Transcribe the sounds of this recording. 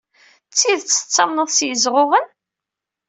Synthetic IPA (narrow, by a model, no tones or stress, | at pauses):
t͡sːiðt͡sːə̥t͡sːɑmnəðˤsjəzʁʊʁən